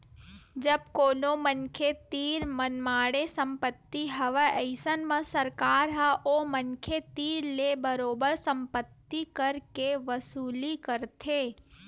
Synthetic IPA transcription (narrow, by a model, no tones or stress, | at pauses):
d͡ʒəb̚koːnomənkʰet̪iːɾmənmaːɽesə̃mpət̪ːiɦəʋəʔəɪsənmə̃səɾkaːɾɦəʔoːmənkʰet̪iːɾlebəɾoːbəɾsə̃mpət̪ːikəɾkeʋəsuːlikəɾt̪ʰeː